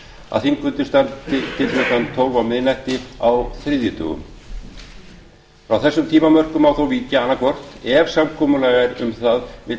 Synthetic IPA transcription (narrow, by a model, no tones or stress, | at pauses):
a̰ðθiŋkʏnt̪ɪ̥st̪ant̪ɪt̪ʰɪlœt̪ant̪ʰoːwvawmɪðnajht̪ɪawθɾɪðjʏt̪ʰœ̰ːɣʏ̰m | fɾawθɛsːʏmt̪ʰiːmamœr̥kʏmawθowviːcaanːakɔr̥t̪ɛv̥samkʰɔːmʏlaɣaɾʏ̰mθaðmɪ